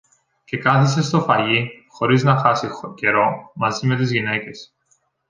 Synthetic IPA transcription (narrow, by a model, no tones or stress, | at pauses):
ce̞kɐθis̬e̞st̪o̞fɐʝixo̞ɾiznɐxɐsice̞ɾo̞mɐzime̞t̪izʝine̞ce̞s